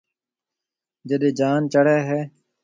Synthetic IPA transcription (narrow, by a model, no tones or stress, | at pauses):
d͡ʒəɗeːd͡ʒaːnt͡ʃəɽeːɦɛː